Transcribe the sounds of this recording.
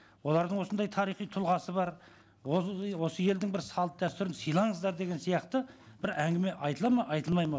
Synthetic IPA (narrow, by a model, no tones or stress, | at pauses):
wo̞lˠɑɾd̪əɴwo̞sənd̪ɑjt̪ʰɑɾijχijt̪ʰʊlˠʁɑsəbɑɾ | wo̞səje̞ld̪ɪŋbɪɾsɑlˠət̪̚d̪æst̪ʏɾɪnsijlˠɑɴəzd̪ɑɾd̪eɡʲe̞nsijɑqt̪ə | b̥ɪɾæŋɡʲɪme̞ʔɑjt̪əlˠɑmɑʔɑjt̪əlˠmɑjmɑ